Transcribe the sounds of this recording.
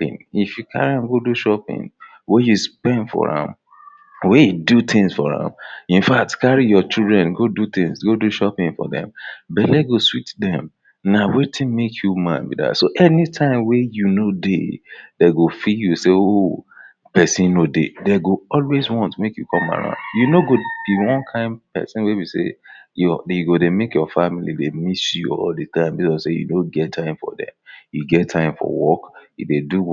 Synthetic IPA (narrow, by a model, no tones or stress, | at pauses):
pḭ̃nifjukʰa̰ɹiãmɡoduʃɔpḭ̃n | wɛjuspɛ̃ndfɔ̰ɹã̰m | wejudut̪ʰĩŋsfɔɹã̰mĩnfak̚tkaɹijɔt͡ʃildɹɛ̃nɡodut̪ĩŋsɡoduʃɔpĩŋfɔ̰dɛ̰̃mbɛleɡoswitdɛ̃m | nawetʰĩnmekʰjumã̰nbḭda̰tsoʔɛnitʰãɪ̃mwɛjunodḛdeɡofijuseo | pɛsĩnnodḛdeɡoɔlwezwɔ̃ntmekjukʰɔ̃ma̰ɹã̰ʊ̃ndjunoɡob̥iwɔ̃nkʰãɪ̃ndpɛ̰sĩnwebisḛjɔjuɡodemekjɔfamilḭdemisjuɔ̰ldətʰãɪ̃mbiɔsejṵnoɡɛttʰːãɪ̃mfɔ̰dɛ̰̃mjuɡɛtʰːãɪ̃mfɔ̰wɔkjṵdedu